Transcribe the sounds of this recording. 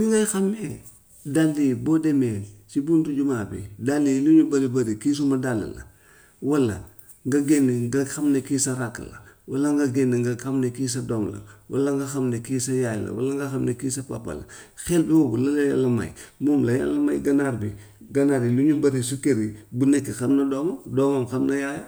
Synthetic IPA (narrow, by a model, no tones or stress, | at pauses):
niŋɡajxame | dalːibodemet͡ʃibuntuɟumabḭdalːiluɲubɐɾibɐɾikis̬umɐdalḭlɐ̰ | wɐlːɐ̰ | ŋɡɐɡeniŋɡɐxamnekiːsɐɾakːlɐ̰wɐlɐŋɡɐɡeniŋɡaxamnekis̬ɐdomlɐ̰walaŋɡɐxɐmnekisɐjajlɐ̰wa̰laŋɡɐxɐmnekisɐpa̰pːɐ̰lɐ̰ | xelbiwobulɐlɐja̰lɐma̰jmomlɐja̰lɐmajɡɐnaɾbi | ɡɐnaɾiluɲubɐɾis̬ukeɾibunekːixɐmnɐdomodomamxɐmnɐjaja